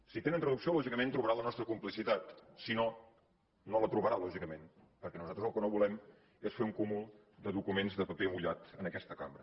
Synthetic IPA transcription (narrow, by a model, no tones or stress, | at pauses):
sit̪enənt̪ɾəðuksiolɔʒikəment̪ɾuβəɾalənɔst̪ɾəkumplisit̪at̪sino | nolət̪ɾuβəɾalɔʒikəmen | pəɾkɛnuzat̪ɾəzəlˠkənoβulɛm | esfeuŋkumulˠ | d̪əðukumenzðəpəpeuʎat̪ənəkɛst̪əkambɾə